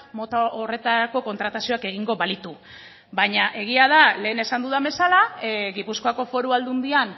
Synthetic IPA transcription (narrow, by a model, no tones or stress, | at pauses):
mot̪aore̞t̪aɾako̞ko̞nt̪ɾat̪asio̞ake̞ɣ̞iŋɡo̞βalit̪u | bajɲaʔe̞ɣ̞iað̞ale̞ːne̞sand̪uðaβe̞salaɣipusko̞ako̞fo̞ɾuald̪und̪ian